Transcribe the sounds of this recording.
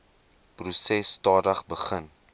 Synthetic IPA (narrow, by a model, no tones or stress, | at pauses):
prusɛsːtɑːdəχbəχən